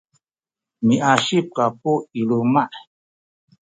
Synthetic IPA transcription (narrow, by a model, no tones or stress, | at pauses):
miʔaʃip̚kapuilumaʔ